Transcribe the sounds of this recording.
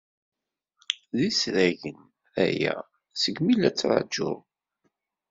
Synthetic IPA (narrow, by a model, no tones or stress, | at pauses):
ðisɾæʝən | æ̰jæ̰ | səɡmilæt͡sːɾˤɑ̰d͡ʒːʊ̰